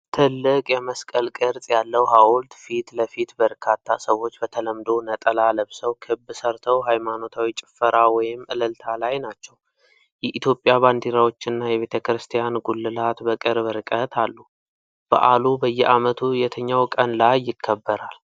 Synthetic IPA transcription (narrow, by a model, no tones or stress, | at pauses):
t̪ʰɨlːɨkʼjɛməskʼəlkʼɨɾt̪ʼjalːəwɦawʊlt̪fit̪ləfit̪bəɾkʰat̪ʰːasəwːo̞t͡ʃːbət̪ʰələmd̪o̞nət̪ʼəlaləβsəwkʰɨbːɨsəɾt̪ʰəwɦajmano̞t̪ʰawit͡ʃʼɪ̥fːəɾawɔjɪmʔɨləlt̪ʰalajnat͡ʃːɛw | jɛʔit̪ʰjo̞pʼːjaβand̪iɾawo̞t͡ʃːɪnːajɛβe̞t̪ʰəkɾɨst̪ʰijanɡulːɨlat̪bəkʼɨɾbɨɾɨkʼət̪ʰalːu | b̥a̰ʔalubəjːɛʔamət̪ʰujɛt̪ʰəɲːawkʼənlajːɪkʰːəbːəɾal